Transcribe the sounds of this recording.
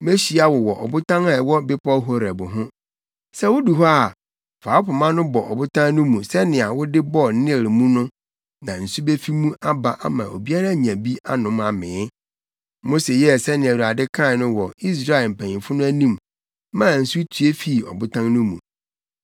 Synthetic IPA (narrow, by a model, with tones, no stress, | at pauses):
me˦ɕi˦a˦wɔ˨wɔ˨ʔɔ̰˨bʊ˦tʰã˦ŋa˦˨wɔ˦bɪ˦pʰɔ˦ɦo˦ɾɛ˨bʊ˨ɦʊ̃˦ | sɛ˦wʊ˦du˨ɦɔ˦a˨ | fa˨˦pʰʊ˨mã˦nʊ̃˦bɔ˨ʔɔ̰˨bʊ˦tʰã˦ŋnʊ̃˦mũ˨sɛ˦nɪ̃˨a˨wʊ˦dɪ˦bɔ˦nɪ̃˦e˨ɾɪ˨mũ˦nʊ̃˦ | nã˨n̩˨su˦be˦fi˦mũ˦ʔa˦ba˨ʔa˦mã̰˨ʔo̰˨bi˦a˦ɾa˦˨ɲ˨æ̃˨bi˦a˦nʊ̃˨˦ma˨mɪ̃˨˦ | mo˦se˨jɛ˦sɛ˦nɪ̃˨æ˨wu˨a˨dɪ˦kʰã˦˨nʊ̃˦wɔ˨i˦s̬ɾa˦ɪ˨lm̩˨pʰæ̃˨ɲɪ̃˨fʊ˦nʊ̃˦æ˦nĩ˦m | mã˦˨n̩˨su˦tʰu˨e˦fi˦˨ɔ̰˨bʊ˦tʰã˦ŋnʊ̃˦mṵ̃˨